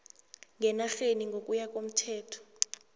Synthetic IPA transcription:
ŋɛnaɬeniŋɡʱokʼujak̬ʼom̩tʰɛːtʰɔ̥

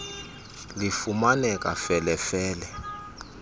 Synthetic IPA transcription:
lifumanɛkʼafɛlɛfɛːlɛ

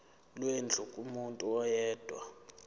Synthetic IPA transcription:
lwend͡ɮʱukʼumuntʼuɔjɛːd̥ʱwa̰

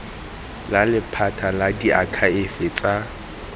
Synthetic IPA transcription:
lalɪpʰatʰaladiʔakʰaɪfɪt͡sʼa

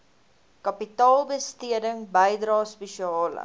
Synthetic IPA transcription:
kɐpitɑːlˠbəstiədəŋbəjdrɑːspeʃiɑːlə̰

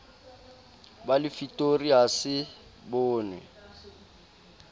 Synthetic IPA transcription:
balɪfitʼoriasɪ | bʊːnɛ̰

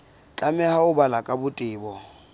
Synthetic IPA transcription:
t͡ɬʼamɛhaʊbalakʼabʊtʼɪːbɔ

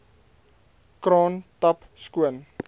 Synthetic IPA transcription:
kɾɑːntɐpskuən

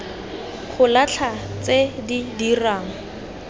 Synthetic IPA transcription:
χʊlat͡ɬʰat͡sedidiraːŋ̩

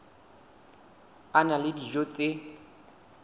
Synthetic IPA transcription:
analɪdiʒot͡sʼe

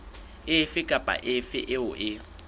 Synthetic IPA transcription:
ɪfɪkʼapʼa̰ʔɪfɪʔɪʊʔɪ

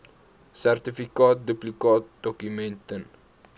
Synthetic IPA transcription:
særtifikɑːt̚duplikɑːt̚dɔkymɛntən

